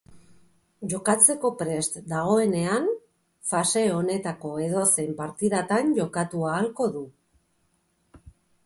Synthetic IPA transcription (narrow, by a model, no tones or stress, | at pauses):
ʝo̞kat͡se̞ko̞pɾe̞st̪d̪aɣ̞o̞e̞ne̞an | fase̞o̞ne̞t̪ako̞e̞ð̞o̞se̞mpaɾt̪iðat̪anʝo̞kat̪uaːlko̞ðu